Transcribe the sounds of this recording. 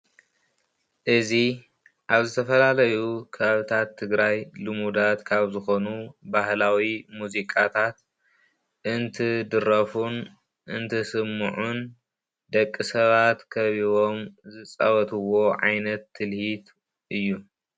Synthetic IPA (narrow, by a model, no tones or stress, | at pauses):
ʔɨzi | ʔaβzɨt̪ʰɐfɐlalɐjukʰɐβaβɨt̪ʰat̪ʰːɨɡɾajlɨmud̪at̪kʰaβzɨxo̞nubahlawimuzikʼat̪ʰat̪ | ʔɨnt̪ʰɨd̪ɨɾɐfun | ʔɨnt̪ʰɐsɨmːɨʕun | d̪ɐkʼːɨsɐβat̪kʰɐβiβo̞mzɨt͡sʼɐβɐt̪ʰɨwo̞ʕa̰jnɐt̪ːɨlhit̪ | ʔɨjːu